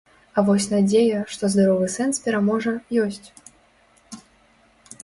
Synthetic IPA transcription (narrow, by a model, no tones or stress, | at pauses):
ɐvɔsʲnad͡zʲejɐʂt̪ɔzd̪aɾɔvɨsɛnspʲɛɾamɔʐɐjɔsʲt͡sʲ